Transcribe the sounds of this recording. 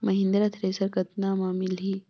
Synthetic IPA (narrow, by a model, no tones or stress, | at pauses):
mɐɦĩnd̪ɾɐt̪ʰɾeːsəɾkɐt̪namaːmilɦiː